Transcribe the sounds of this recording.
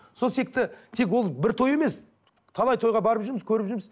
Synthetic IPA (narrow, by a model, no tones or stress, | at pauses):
so̞lˠse̞k̚t̪ɪt̪ʰe̞k̬wo̞lˠbɪɾt̪ʰo̞je̞me̞s | t̪ʰɑlˠɑjt̪ʰo̞jʁɑbɑɾəpʒʏɾmɪzkʲʰɵɾɪpʒʏɾmɪz